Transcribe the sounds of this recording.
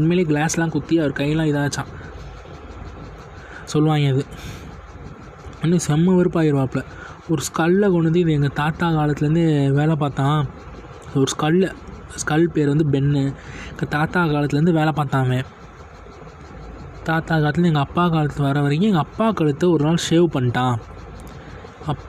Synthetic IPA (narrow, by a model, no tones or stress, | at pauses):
ɐnmeːleːɡɭaːslãːkʊt̪ːɪjɐʋɐɾɯkɐjːɐlãːɪðãːʋɐt͡ʃːãː | sɔlːʋaːŋɡɐðɯ | ɐnːɯsɛmːɐʋɐɾɯpːaːjɪɾʋaːpɭɐ | ɔɾɯskɐɭːkɔɳːɯnd̪ɯɪðɯɛŋɡɐt̪aːt̪aːkaːlɐt̪ːɯlɾɯnd̪ɯʋeːlɐp̬aːt̪ãː | ɪðɐɔɾɯskɐɭːskɐlpeːɾʋɐnd̪ɯbɛnːɯɛŋɡɐt̪aːt̪aːkaːlɐt̪ːɪlɐɾɯnd̪ɯʋeːlɐpaːt̪ãːʋẽː | t̪aːt̪aːkaːɐt̪̬ːɪnɛŋɡɐɐpːaːkaːlɐt̪ːɯɐʋɐɾɐʋɐɾɪk̬ːɯ̃ɛŋɡɐːpːaːkɐɻɯt̪ːɐɔɾɯnaːlʂeːʋpɐɳːʈːãː | ɐpː